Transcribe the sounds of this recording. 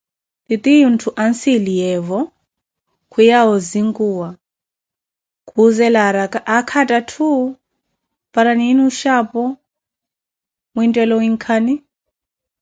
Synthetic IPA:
t̪it̪iuntʰuʔansilijɛvɔ | kʰujaɦɔziŋɡuwa | kʰuzɛlaɾakʼaʔakʰatʼatʰu | paɾaniːnuʃapɔ | muintʼɛlɔwiŋkʰani

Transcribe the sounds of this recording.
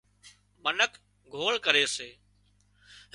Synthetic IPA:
mənək | ɡʱoːɭkəɾeːseː | ɦ

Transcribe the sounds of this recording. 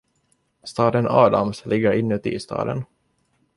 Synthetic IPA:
st̪ɑːd̪ənɑːd̪amslʔɪɡːəɾɪnːʉːt̪ɪ̰st̪ɑ̰ːd̪ə̰n

